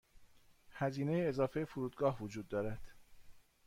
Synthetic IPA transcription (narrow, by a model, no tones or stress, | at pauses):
hæziːne̞jeːzɒːfejefuɾuːd̪̚ɡɒːɦvod͡ʒuːd̪ːɒːɾæd̪̥